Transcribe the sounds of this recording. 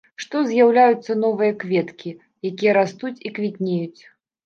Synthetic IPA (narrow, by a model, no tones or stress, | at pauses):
ʂt̪ɔzʲjawlʲajut̪sːɐnɔvɨjɐkvʲɛt̪kʲi | jakʲijɐɾast̪ut͡sʲikvʲit̪ʲnʲejut͡sʲ